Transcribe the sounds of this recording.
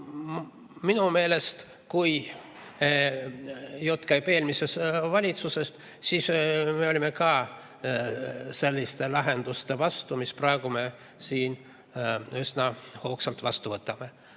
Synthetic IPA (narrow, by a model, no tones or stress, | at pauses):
minume̞ːle̞st̪ | kuj | jot̪ːˑkæjpe̞ːlmise̞svɑlʲit̪suse̞st̪ | siːsme̞olʲime̞kɑː | se̞lʲːist̪e̞lɑɦe̞nd̪̥ust̪e̞vɑst̪umisprɑe̞ɡ̥ume̞ | siːn | ysnɑhoːksɑlt̪vɑst̪uvɤt̪ˑːɑme̞